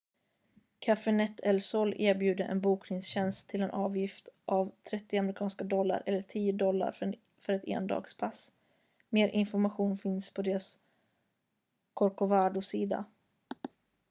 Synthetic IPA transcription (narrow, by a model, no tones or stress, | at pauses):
kʰafɛnɛt̪ʰːɛlsɔlːeːɾbjʉ̟ːd̪əʔɛ̰nbuːknɪŋsɕɛnst̪ʰːɪlɛnʔɑːvjɪft̪ʔavt̪ʰɾɛt̪ːɪamɾɪkʰɑːnskad̪ɔlːa̰ɾʔɛlːəʈʰiːʊd̪ɔlːa̰ɾ | fœɾɛt̪ḛːnd̪ɑ̰ːɡspʰas | meːɾʔɪnfɔɾmaɧuːnfɪnspʰɔd̪eːɾas | kʰɔɾkʊvaːɖ̪ʊsiːd̪a̰